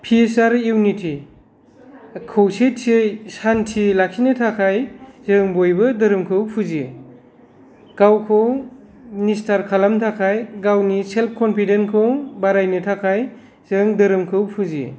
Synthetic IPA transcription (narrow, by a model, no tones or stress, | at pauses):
pʰiesaɾjuwnitʰi | kʰowsetʰejsantʰilak̚sʰinɯtʰakʰajzɯŋbojbɯdɐɾɯmkʰɯwpʰuzie | ɡ̥awkʰɯw | nistaɾkʰalamtʰakʰajɡawniselp̚ʰkɔmpʰidenkʰɯwbaɾajnɯtʰakʰaj | z̥ɯŋdɯɾɯmkʰɯwpʰuziḛ